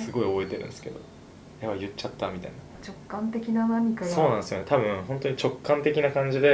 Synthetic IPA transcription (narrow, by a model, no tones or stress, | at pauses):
sɨɡo̞io̞bo̞e̞t̪e̞ɾɯ̟̃nsɨ̥ke̞d̪o̞ | jeβajɯ̟t͡ɕːat̪ːamʲit̪a̰inat͡ɕokːãnt̪e̞kʲinanamʲikajso̞ːnãsɨjo̞net̪abɯ̟̃ɦont̪o̞ɲ̟it͡ɕo̞kːãnt̪e̞kʲinakãɲ̟d͡ʑid̪e̞